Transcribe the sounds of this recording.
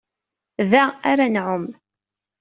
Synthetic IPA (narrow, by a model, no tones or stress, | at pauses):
ðæaɾanʕʊm